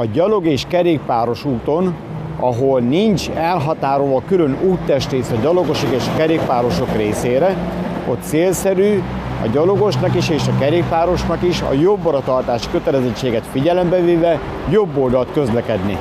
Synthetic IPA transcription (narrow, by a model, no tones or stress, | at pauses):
ɒɟɒlo̞ɡeːʃkɛɾeːkpaːɾo̞ʃuːt̪o̞n | ɒɦolnint͡ʃɛlɦɒt̪aːɾoːɒkylø̞nuːt̪ːɛʃt̪ɾeːsɒɟɒlo̞ɡo̞ʃokeːʃɒkɛɾeːk̚paːɾo̞ʃo̞kreːseːɾɛ | o̞t̪ːseːlsɛɾyː | ɒ̰ɟɒlo̞ɡo̞ʃnɒkiʃeːʃɒkɛɾeːkpaːɾo̞ʃnɒkiʃɒ̰jo̞bːɒɾɒt̪ɒrt̪aːʃi̥kø̞t̪ɛlɛzɛct͡ʃːeːɡɛt̪fiɟɛlɛmbɛveːvɛ | jo̞bːo̞ld̪ɒlt̪kø̞zlɛkɛd̪nḭ